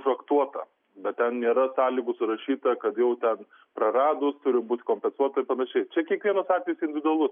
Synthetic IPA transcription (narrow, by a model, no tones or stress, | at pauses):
ʒɐkt̪uɔt̪ɐ | bʲɛt̪tʲɛnnʲeːɾɐsɑːlʲiːɡʊsʊɾɐʃʲiːt̪ɐkɐt̪jɛʊt̪ʲɛn | pɾɐɾɑːd̪ʊst̪ʊɾʲɪmbuːt̪ʲkoːmʲpʲɛnsuɔt̪ɐɪɾpɐnɐʃʲɛɪt͡ʃʲɛkʲiɛkʋʲiɛnoːsɑːt̪ʲʋʲɛjʊsɪnʲdʲʋʲɪd̪ʊɐlˠʊs